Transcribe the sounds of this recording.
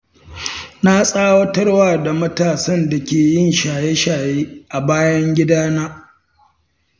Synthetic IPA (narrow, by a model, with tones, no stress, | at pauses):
na˦sʼaː˦wɐ˦tɐ˦rwaː˦da˨mɐ˦taː˨sɐ˦nda˨kʲeː˨jɪ˦nʃaː˨je˦ʃaː˨jeː˦ʔa˨baː˦jɐ˦ŋɡʲɪ˦daː˦naː˦